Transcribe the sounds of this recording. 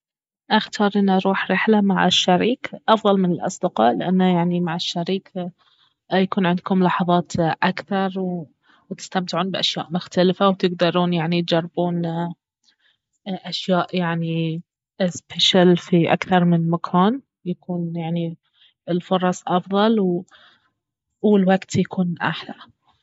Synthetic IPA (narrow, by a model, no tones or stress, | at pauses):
ʔaxt̪ʰɑːɾˤʔɪnːʔɑɾˤuːħɾɪħlamaʕɪʃːaɾiːkʔɑfðˤɑlmɪnɪlʔɑ̰sˤd̪ɪqɑ̰ːʔlɪʔanːajaʕnimaʕɪʃːaɾiːk | jakuːnʕɪnd̪̚kʊmlɑħɑðˤɑːt̪ʔakθɑɾˤw | wt̪ɪ̥st̪amt̪ɪʕuːnbɪʔaʃja̰ːʔmʊxt̪alɪfawt̪ɪɡd̪ɑɾˤuːnjaʕnit̪̚d͡ʒɑrˤːɪbuːn | ʔaʃjaːʔjaʕni | spʰeʃalfiʔa̰kθɑɾˤmɪnmakʰaːn | jakuːnjaʕni | ɪlfʊɾˤɑsˤʔɑfðˤɑlw | wɪlwaɡt̪jakuːnʔa̰ħla